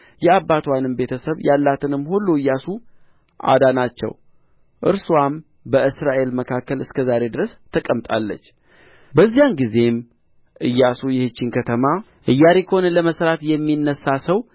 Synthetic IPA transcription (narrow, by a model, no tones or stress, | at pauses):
jɛabːat̪ʰwanɨmbe̞t̪ʰəsəβjalːat̪ʰɨnɨmːhulːuɨjːasu | ʔa̰d̪anat͡ʃːɛ̰w | ʔɨ̰ɾsuam | bəɨsɾaʔe̞lməkʰakːəlɨskʰəzaɾe̞d̪ɨɾəst̪ʰəkʼəmt̪ʼa̰lːə̰t͡ʃː | bəzːijanɡize̞m | ʔɨjːasujɛhɨt͡ʃːɪnkʰət̪ʰəma | ʔɨjːaɾekəhonələməsɾat̪jɛmːinːəsasəw